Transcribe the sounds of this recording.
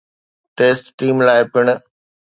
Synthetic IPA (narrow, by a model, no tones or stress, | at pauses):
ʈeːsʈːiːmlaːɪpʰɪɽ̃